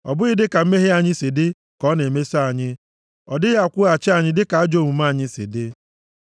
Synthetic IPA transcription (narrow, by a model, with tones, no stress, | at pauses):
ɔ̰˨bʊ˦ɣɪ˦dɪ˦ka˨m̩˦me˦ɦe˦a˨ɲɪ˦sɪ˨dɪ˦ | kɔ˨˦ne˨me˦sa˨ɲɪ˦ | ɔ˨dɪ˦ɣa˦˨kʷʊ˦a˨t͡ʃɪ˦a˨ɲɪ˦dɪ˦ka˨a˦d͡ʒo˦˨mu˨ma˦˨ɲɪ˦sɪ̰˨dɪ˦